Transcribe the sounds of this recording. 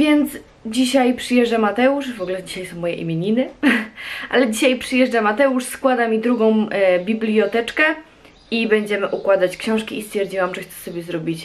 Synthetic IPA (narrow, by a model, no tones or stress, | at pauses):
vʲjɛnt̪s | d͡ʑiɕajpʂɨjɛʐd͡ʐamat̪ɛuʂvɔɡulɛd͡ʑiɕajsɔ̃w̃mɔjɛ̰ʔḭmʲjeɲinɘ | ʔa̰lɛd͡ʑiɕajpʂɘjɛʐd͡ʐamat̪ɛuʂskwad̪amʲid̪ɾuɡɔ̃w̃bʲiblʲiɔt̪ɛt͡ʂkɛ | ibɛɲd͡ʑɛmɘʔukwad̪at͡ɕkɕɔ̃w̃ʂkʲiist̪fʲjɛɾd͡ʑiwamʐɛxt̪ɛ̥sɔbʲjɛzɾɔbʲit͡ɕ